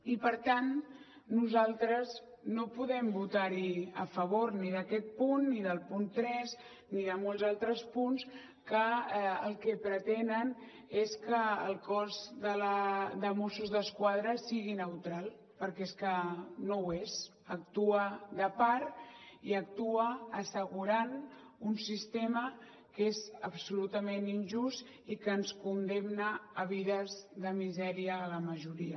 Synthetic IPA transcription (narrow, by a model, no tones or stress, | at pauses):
ipəɾt̪anː | uzalˠt̪ɾəz | nopuðɛmbut̪aɾiəfəβoɾniðəkɛt̪̚punːiðəlˠpunt̪ɾɛz | niðəmolˠzalˠt̪ɾəspuns | kəəlˠkɛpɾət̪ɛnən | eskəəlˠkɔzðələðəmosuzðəskwað̞ɾəsiɣinəwt̪ɾalˠ | pəɾkɛeskənowez | ək̚t̪uəðəpaɾt̪iək̚t̪uəːsəɣuɾan | unsist̪emə | kezəpsulut̪əmeninʲʒust̪ | ikənskund̪emnəːβ̞iðəzðəmizɛɾiəːləməʒuɾiə